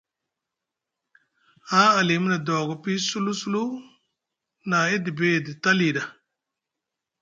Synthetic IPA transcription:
a˦a˨li˨m˦na˨dɔ˨ɡɔ˨pi˦su˦lu˦su˦lu˦ | na˨i˦di˨be˦˨di˨ta˦li˨da˨

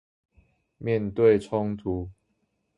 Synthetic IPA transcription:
mjɛ˥˨nt̪we˥˨ɪʈ͡ʂʰʊ˦ŋt̪ʰu˨˦

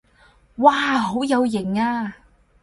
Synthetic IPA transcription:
waː˧ɦo˨˥wjɐ˨˧wjɪ˨˩ŋaː˧

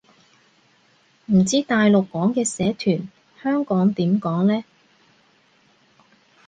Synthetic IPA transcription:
m̩˨˩t͡siː˥t̪aː˨jlo˨kːɔː˨˥ŋkɛː˧sɛː˨˥t̪ʰyː˨˩n | hœː˥ŋkɔː˨˥ŋt̪iː˨˥mkɔː˨˥ŋlɛː˥

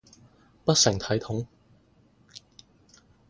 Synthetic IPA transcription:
pɐ˥t̚sɪ˨˩ŋt̪ʰɐ˨˥jt̪ʰʊ˨˥ŋ

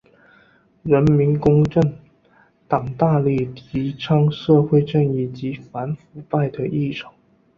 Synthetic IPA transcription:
ɻə˧˥nmi˧˥nkʊ˥ŋʈ͡ʂə˥˩ŋ | t̪ɑ˨˩ŋt̪a˥˧li˥˩t̪ʰi˧˥ʈ͡ʂʰɑ˥ŋʂɤ˥˧xwe˥˧ɪʈ͡ʂə˥˧ŋi˥˩t͡ɕi˧˥fa˧˥nfu˧˥pa˥˩ɪd̪ə˩ʔi˥˩ʈ͡ʂʰɑ̥˨˩˦ŋ

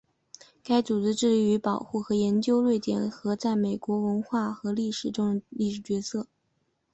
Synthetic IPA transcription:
ka˥ɪt͡su˨˩ʈ͡ʂɻ̩˥ʈ͡ʂɻ̩˥˩li˧˩y˧˥pɑ˨˩ʊxu˥˩xɤ˧˥jɛ˧˥nt͡ɕjo˥ʊlwe˥˩ɪt̪jɛ˨˩nxɤ˧˥t͡sa˥˩ɪme˨˩ɪkwɔ˧˥wə˧˥nxwa˥˩xɤ˧˥li˥˩ʂɻ̩˨˩ʈ͡ʂʊ˥ŋli˥˩ʂɻ̩˨˩t͡ɕɥɛ˧˥sɤ˥˩

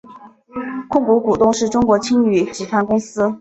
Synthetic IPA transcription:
kʰʊ˥˩ŋku˧˥ku˨˩t̪ʊ˥˧ŋʂɻ̩˥˩ʈ͡ʂʊ˥ŋkwɔ˧˥t͡ɕʰi˥ŋy˨˩ʈ͡ʂɻ̩˨˩t̪ʰa˥nkʊ˥ŋsɹ̩˥

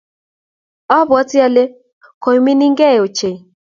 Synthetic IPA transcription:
ɔ˦βɔ˨˦ti˦a˦le˦ | ko˨jmi˦ni˦ŋɡɛ˦˨o˨t͡ʃe˨

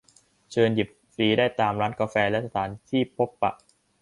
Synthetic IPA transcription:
t͡ɕʰɤː˧nji˨˩p̚fɾiː˨˦daː˥˩jt̪aː˧mɾaː˦˥nka˧fɛː˧lɛ˦˥ʔsa˧t̪ʰaː˩˦nt̪ʰiː˥˩pʰo˦˥pːa̰˨˩ʔ

